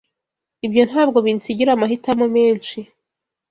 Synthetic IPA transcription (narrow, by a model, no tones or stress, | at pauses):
ibjo̞nhaːbɡo̞βinsiɟiɾamaɦitamomeːnʃi